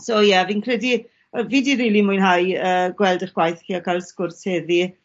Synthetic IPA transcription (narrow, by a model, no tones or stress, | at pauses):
soːjɛviːnkʰrɛdi | viːdiɾiːlimʊɨnɦajəːɡwɛlˠdəχɡ̥wajθkʰiːakʰajlˠskʊrshɛði